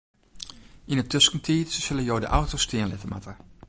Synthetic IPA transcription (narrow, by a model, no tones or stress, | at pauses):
inətʰøskəntʰiːtssɪləjowdə̰ʔawtostɪənlɪtəma̰tʰə